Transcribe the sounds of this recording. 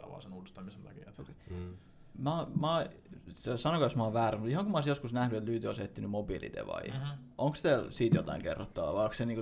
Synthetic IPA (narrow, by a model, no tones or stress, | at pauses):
ɑ̰ʋɑ̰lːsenuːdist̪ɑmisend̪ɑ̰kḭḛt̪oke | mmɑt̪esɑnokɑjosmɑːˑʋʋæːræsmut̪ihɑŋkumɑoˑsjoskusnæhnyet̪lyːt̪yo̰set̪ːinymobilḭd̪ḛʋɑ̰iʔoŋkst̪elsiːt̪jot̪ɑiŋkḛrːot̪ːɑʋɑ̰ʋɑiokseniːŋko